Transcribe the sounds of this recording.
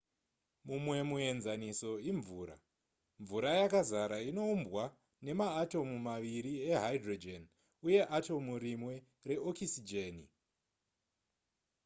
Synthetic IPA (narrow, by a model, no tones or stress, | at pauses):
mumwe̞mue̞nzaniso̞iɱvuːɾa̰ | ɱvuɾajakazaɾaino̞umbɣwa | ne̞maːto̞mumaʋiɾieɦajdrod͡ʒen | uje̞ʔato̞muɾimwe̞ | re̞okʰisid͡ʒeni